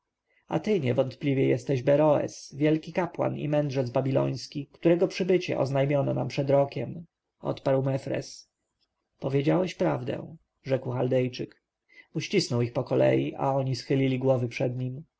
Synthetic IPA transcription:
a̰t̪ɘɲɛvɔnt̪plʲivʲjɛjɛst̪ɛʑbɛɾɔɛ̰svʲjɛlkʲikapwa̰nḭmɛnd̪ʐɛd̪zbabʲilɔ̰j̃skʲikt̪uɾɛɡɔpʂɘbɘt͡ɕɛ̰ʔɔ̰znajmʲjɔnɔnampʂɛd̪ɾɔkʲɛm | ʔɔ̰t̪paɾwmɛfɾɛ̰s | pɔvʲjed͡ʑawɛɕpɾavd̪ɛ̰̃ | ʐɛkwxald̪ɛjt͡ʂɘk | uɕt͡ɕisnɔwixpɔkɔlɛ̰jiʔa̰ɔɲisxɘlʲilʲiɡwɔvɘpʂɛd̪ɲim

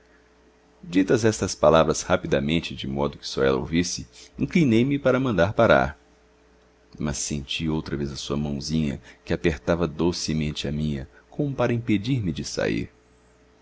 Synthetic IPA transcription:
d͡ʒit̪ɐzɛst̪ɐspalavɾɐshapid̪ɐmẽnt͡ʃɪd͡ʒɪmɔd̪ʊkɪ̥sɔɛlɐ̰o̰wvisɪĩklinejmɪpaɾɐmɐ̃nd̪aɾpaɾa̰ɾ | mɐsːẽnt͡ʃiowt̪ɾɐvezɐsuɐmɐ̃w̃zĩɲɐ̰kɪapeɾt̪avɐd̪osɪmẽnt͡ʃɪɐmĩɲɐkʰõmʊpaɾɐĩped͡ʒiɾmɪd͡ʒɪsa̰ḭɾ

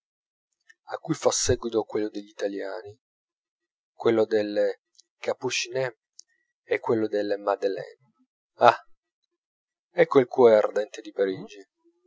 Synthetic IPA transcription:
akːujfasːɛɡwit̪okwelːod̪eʎːit̪aljaːni | kwelːod̪elːe | kaput͡ʃinɛ | ɛkːwelːod̪elemad̪elɛ̰n | a | ɛkːoilk̪uoeard̪ɛnt̪ed̪ipaɾiːd͡ʒi

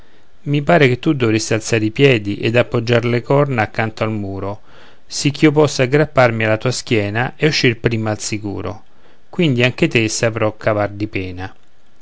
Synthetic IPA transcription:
mipaːɾeket̪ːud̪ɔvɾesːialt̪saɾipjɛːd̪iʔed̪apːod͡ʒːaɾlekɔrnaakːant̪oalmuːɾo | sik̟ːiop̬ɔsːaɡɾapːarmialːat̪uːask̟jɛːnaʔɛuʃːirpɾiːmaːlsikṵːɾo̰ | kwind̪iaŋk̟et̪esapɾɔkʰːavard̪ipɛːna

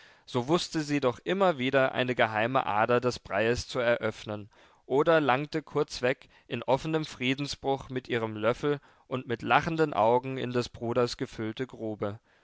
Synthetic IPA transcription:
z̥oːvʊstəziːdɔχʔɪmɐviːdɐʔa̰ɪnəɡəɦaɪmə̰ʔa̰ːdɐdɛsb̥ʁaɪəst͡suɛɐʔœfnən | ʔoːdɐlaŋ̚təkʰʊɐt͡sv̥ɛk | ʔɪnʔɔfənəmfʁ̥iːdn̩sb̥ʁʊχmɪtʔiːʁ̞əmlœfl̩ | ʔʊntmɪtlaχn̩dənʔa̰ʊɡŋ̩ɪ̰ndɛsb̥ʁuːdɐsɡ̥əfʏltəɡʁuːbə

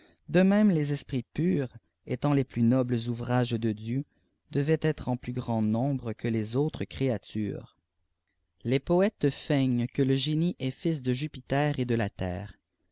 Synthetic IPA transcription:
d̪əmɛ̃mlezɛspχipyːʁ | ḛt̪ɑ̃leplynɔbləzuvʁaʒd̪əd̪jø | d̪̥əvɛt̪ɛt̪χɑ̃plyɡʁɑ̃nɔ̃bʁəkʰəlezot̪χəkχeat̪y̰ːʁ | lepɔɛt̪fɛɲkələʒeniʔɛfis̬d̪əʒypit̪ɛːʁed̪əlat̪ɛ̰ːʁ

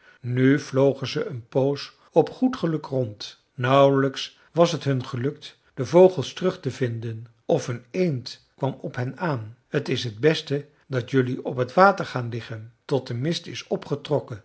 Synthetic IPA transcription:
nyv̥lowχənzəənpows | ɔpχutχəlɵkrɔnt | nʌwləks | ʋɑsɦətɦɵnχəlɵk̚t | d̥əvowχəlˠstərɵχtəvɪndən | ʔɔfɦənejntkʋɑmɔpɦɛnaːnhətɪsɦəd̚bɛstə | dɑtjɵliɔpɦətʋaːtəɹχaːnlɪχəntɔt̚dəmɪstɪsɔpχətrɔkən

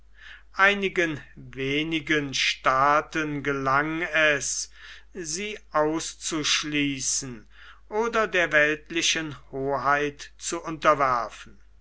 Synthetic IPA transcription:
ʔaɪnɪɡənveːnɪɡənʃtaːtənɡəlaŋɛs | ziːʔaʊst͡suʃliːsn̩ | ʔoːdɐdeːɐvɛltlɪʃənhoːɦaɪtt͡suʔʊntɐvæɐfn̩

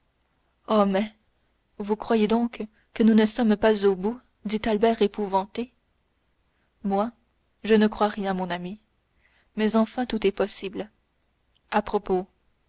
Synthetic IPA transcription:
ɔmɛ | vukχwajed̪ɔ̃k | kənunəsɔmpazobu | d̪it̪albɛʁepuvɑ̃t̪e | mwa | ʒənəkχwaʁjɛ̃mɔ̃nami | mɛzɑ̃fɛ̃t̪ut̪ɛpɔsibl | apχɔpo

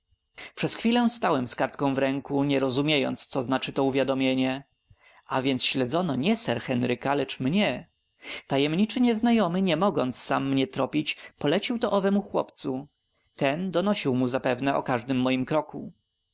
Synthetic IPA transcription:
pʂɛsxfʲilɛst̪awɛmskaɾt̪kɔ̃w̃vɾɛŋkuɲɛɾɔzumʲjejɔ̰nt̪st̪sɔznat͡ʂɘt̪ɔuvʲjad̪ɔmʲjeɲɛ | ʔavʲjɛnt̪sɕlɛd̪zɔnɔɲɛsɛɾxɛnɾɘkalɛt͡ʂmɲɛ | t̪ajɛmɲit͡ʂɘɲɛznajɔmɘɲɛmɔɡɔnt̪ssamːɲɛt̪ɾɔpʲit͡ɕpɔlɛt͡ɕiwt̪ɔʔɔvɛmuxwɔ̰pt̪su | t̪ɛnd̪ɔnɔɕiwmuzapɛvnɛɔ̰kaʐd̪ɘmːɔjimkɾɔku

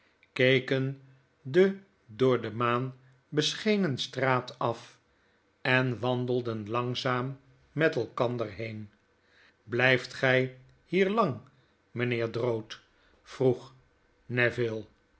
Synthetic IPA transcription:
kejkən | də | dʊːɹdəmaːn | bəsχejnənstraːtɑf | ɛnʋɑndəlˠdənlɑŋzaːmː | ɛtɛlˠkɑndəɹɦejn | blɛjftχɛj | hiːɹlɑŋ | mənɪːɹdrowt | fruχ | nɛvɪlˠ

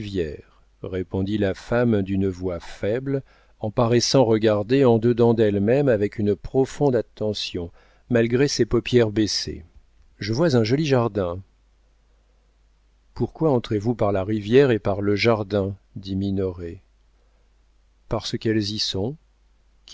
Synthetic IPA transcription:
vjɛʁː | epɔ̃d̪ilafamd̪ynəvwafɛbl | ɑ̃paʁɛsɑ̃ʁəɡaʁd̪eɑ̃d̪əd̪ɑ̃d̪ɛlmɛmavɛkʰynpχɔfɔ̃d̪at̪ːɑ̃sjɔ̃ | malɡʁesepɔpjɛʁbesḛ | ʒəvwazɛ̃ʒɔliʒaʁd̪ɛ̃ | puʁkwaɑ̃t̪χevupaʁlaʁivjɛʁepaʁləʒaʁd̪ɛ̃d̪iminɔʁe | paʁsəkɛlzisɔ̃ | k

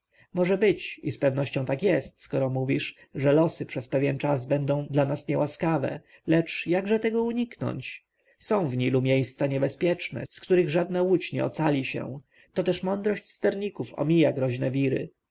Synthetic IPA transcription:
mɔʐɛbɘt͡ɕispɛvnɔɕt͡ɕɔ̃w̃t̪akjɛst̪skɔɾɔmuvʲiʂ | ʐɛlɔsɘpʂɛspɛvʲjɛnt͡ʂazbɛnd̪ɔ̃w̃d̪lanasɲɛwaskavɛ̰ | lɛt͡ʂjaɡʐɛt̪ɛɡɔuɲiknɔ̰ɲt͡ɕ | sɔ̃w̃vɲilumʲjejst̪saɲɛbɛspʲjɛt͡ʂnɛ̰skt̪uɾɘɣʐad̪̚nawut͡ɕɲɛ̰ɔ̰t̪salʲiɕɛ̰ | t̪ɔt̪ɛʂmɔnd̪ɾɔɕt͡ɕst̪ɛɾɲikufɔ̰mʲijaɡɾɔʑnɛvʲiɾɘ̰

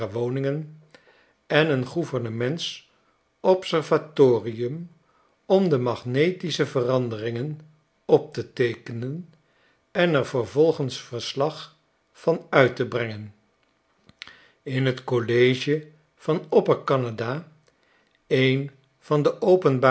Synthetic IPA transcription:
əʋownɪŋən | ɛnənχuvəɹnəmɛnts | ʔɔpsɛɹvatoːriəm | ɔmdəmɑχnejtisəvərɑndərɪŋən | ɔp̚tətejkənən | ɛnɛɹvəɹvɔlˠχənsfəɹslɑχ | fɑnœɥtəbrɛŋən | ɪnɦətkolejʒə | v̥ɑnɔpəɹkɑnada | ejn | v̥ɑndəʔowpənba

